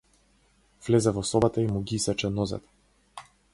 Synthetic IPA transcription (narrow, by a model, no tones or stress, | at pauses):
vlɛzɛvɔsɔbat̪aimuɡiisɛt͡ʃɛnɔzɛ̰t̪